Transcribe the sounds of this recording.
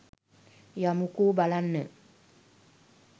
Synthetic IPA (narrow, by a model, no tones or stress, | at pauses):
jamũkobalanːɛ̃